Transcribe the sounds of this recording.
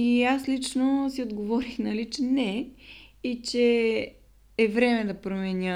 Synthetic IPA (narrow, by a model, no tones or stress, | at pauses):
iaslit͡ʃnosiod̪ɡovɔɾixnɐlit͡ʃɛnɛ | it͡ʃɛ | vɾɛmɛd̪ɐpɾomɛnʲə